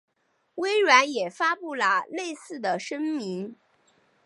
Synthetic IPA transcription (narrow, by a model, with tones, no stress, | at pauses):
we˥ɪɻa˧˥njɛ˨˩fa˥pu˥˩lə˩le˥˧ɪsɹ̩˥˩d̪ə˩ʂə˥ŋmi˧˥ŋ